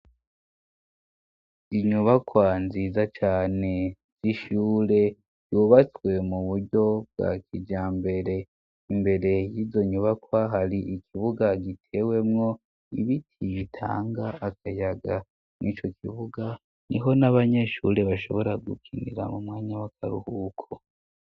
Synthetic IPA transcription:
iɲuβakwanziːzat͡ʃaːne̞ | z̥iʃuːɾe̞̥ | juːβat͡swe̞muβuɾɟo̞b̚ɡa̰kid͡ʒaːmbe̞ɾe̞ | imbe̞ɾe̞jiːzo̞ɲuβakwaɦaɾiikʰiβuɡaɡitʰe̞we̞mŋo̞ | ḭβitʰiβitʰa̰ːŋɡaːkajaɡa | nʔit͡ʃo̞kiβuɡa | niɦo̞naβaɲeʃṵːɾe̞βaʃo̞̰βo̞ɾaɡukʰinḭɾa̰mumŋaːɲawakʰaɾuhuːkʰo

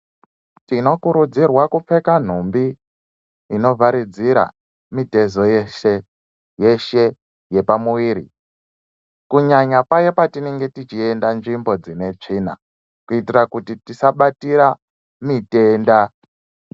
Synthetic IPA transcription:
tino̞kuɾud͡zirwakup͡fe̞kan̤umbiː | no̞vaɾid͡ziɾa̰ | mite̞zo̞jeʃe | je̞ʃe̞ | je̞pamuwiːɾi | kuɲaɲapajepatineŋɡe̞tit͡ʃie̞ndanʐimbo̞d͡zine̞t͡ʂiːna̰ | kuitirakutitisaɓatiɾa | mite̞nda

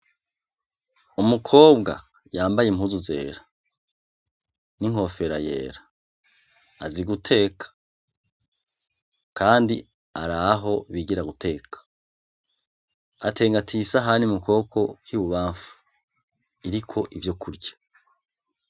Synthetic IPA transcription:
umukʰo̞ːbɡa̰ | jaːmbajem̥huzuze̞̰ːɾa | niŋ̥o̞fe̞ɾa̰jḛːɾa | ziɡutʰe̞ːkʰḁ | kʰaːndi | aɾaɦo̞βiɡiɾaɡutʰe̞ːkʰḁ | atʰe̞ːŋɡatʰisaɦanimuko̞ːkʰo̞kwiːβuβaːɱfu̥ | iɾikʰo̞ʔivjo̞kʰuɾɟḁ

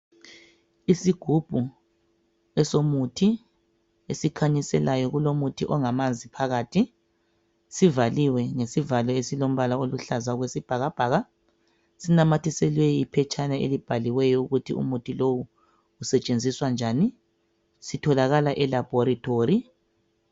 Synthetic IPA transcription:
isiɡ̥ʱub̥ʱu | ɛsomutʰi | esikʰaɲisɛlajɔɣulomutʰḭʔɔŋamand͡zʱipʰaɣaːtʰi | sivaliwɛŋesivalɔesilom̩βalaoluɬazaɣwesib̥ʱaɣab̥ʱaːɣa | sinamatʰisɛlwejipʰɛt͡ʃʼanaḛlib̥ʱaliwɛjɔuɣutʰḭṵmutʰilowuː | sɛt͡ʃʼend͡zʱiswand͡ʒʱaːni | sitʰɔlaɣalaʔɛlab̥ʱɔɾitʰoːɾi

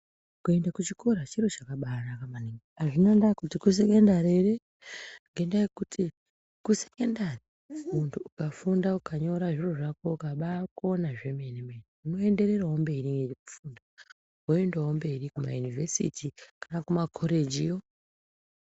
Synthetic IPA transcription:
kue̞ndakut͡ʃiko̞ɾat͡ʃiro̞t͡ʃakaɓarakamaniŋɡeaʐinendakutikus̬eke̞ndaɾere | ŋɡe̞ndaekuti | kusekendari | muntʰuːkafundaukʰaɲo̞ɾaʐiroʐako̞ukaɓako̞naʐe̞menemeneuno̞e̞nde̞ɾe̞raombe̞ɾiŋɡeeku̥funda | woendawombe̞rikuma̰junivesḭtikanakumakʰoɾe̞d͡ʒijo

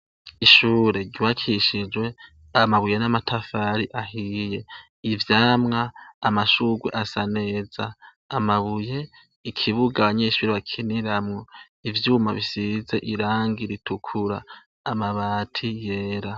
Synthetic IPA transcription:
iʃuːɾe̞ɾɟuwakʰiʃid͡ʒwe̞ | amaβujenamatʰafaɾiʔaɦije̞ | ivjaːmŋaːmaʃuɡwḛʔasane̞ːzaː | maβuje̞ | ikʰiβuɡaβaɲeːʃuːɾeβakʰiniɾamŋo̞ | ivjuːmaβisize̞ʔiɾaːŋɡiɾitʰukʰuɾaː | maβaːtʰije̞ːɾa

